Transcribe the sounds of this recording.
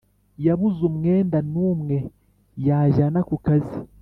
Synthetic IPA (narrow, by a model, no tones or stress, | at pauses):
jaβuzumŋe̞ːndanuːmŋe̞ | jaʒanakukazi